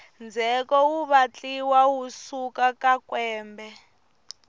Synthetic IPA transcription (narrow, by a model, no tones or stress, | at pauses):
nd͡zʱɛkɔwuβat͡ɬiwawusukakakwɛːmbɛ